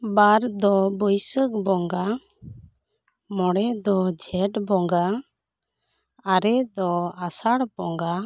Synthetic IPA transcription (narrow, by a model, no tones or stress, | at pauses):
baɾd̪ɔbəjsək̚bɔŋɡa | mɔɽɛd̪ɔd͡ʒʱɛʈbɔŋɡa | aɾɛd̪ɔasaɽbɔŋɡa